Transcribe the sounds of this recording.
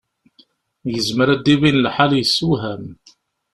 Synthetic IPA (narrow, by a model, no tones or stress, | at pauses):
jəzməɾæd̪ːiβinlħaljəsːuɦæm